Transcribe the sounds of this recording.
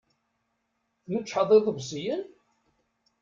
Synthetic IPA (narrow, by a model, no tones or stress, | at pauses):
θmət͡ʃːħɑðˤiðˤəvsˤijən